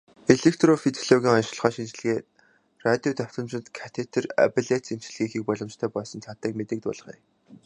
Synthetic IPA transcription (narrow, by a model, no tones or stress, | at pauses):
eɮek̚t̪rofit̪ʰoɮɔɣʲiːŋɔnʃ̆ɮ̆χœːʃint͡ɕ̆ɮ̆ɣeː | rat̪ʲjot̪œw̥ʲt̪ɞ̆mt͡ɕɪ̆t̪kʰḁt̪ʰet̪ʰɘ̆ra̰piɮet̪sem̥t͡ɕɮɣiːxiːk̚pɔɮɞ̆mt͡ɕt̪ʰœːpɔsɞ̆nt͡sʰat̪ə̆ːkmet̪ɘ̆k̚t̪ʊ̰ɮ̆χḭː